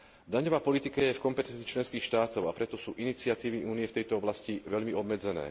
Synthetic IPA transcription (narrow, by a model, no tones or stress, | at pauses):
d̪aɲɔʋaːpɔlit̪ikajɛfkɔmpɛt̪ɛnt͡s̪it͡ʃlɛnskiːxʃt̪aːt̪ɔʊapɾɛt̪ɔsuːʔinit͡sɪat̪iːʋiʔuːnijɛft̪ɛjt̪ɔɔblasciʋɛʎmiɔbmɛd͡zɛnɛ̰ː